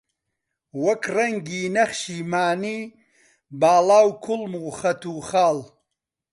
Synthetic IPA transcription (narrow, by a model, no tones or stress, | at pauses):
wɐkrɐŋɡiːnɐχʃiːmaːniː | baːlaːwkʰʊlmuːxɐt̪uːχaːl